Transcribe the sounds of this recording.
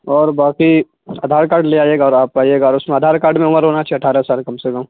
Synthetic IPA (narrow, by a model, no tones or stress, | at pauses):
ɔːɾbaːki | ɐd̪ʱaːɾkaːɾɖleaːjeːɡaɔːɾaːp̚kaːieːɡaɔːɾʊsmẽɐd̪ʱaːɾkaːɾɖmẽʊməɾɦoːnat͡ʃʰɛɐʈʰaːɾəsaːlkɐmsekɐm